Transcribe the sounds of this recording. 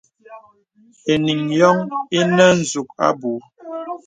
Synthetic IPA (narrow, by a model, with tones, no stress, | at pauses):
e˨ni˨ŋjɔ˦ŋe˦nə˦n̩˨zu˨k̚a̰˦bu˨˦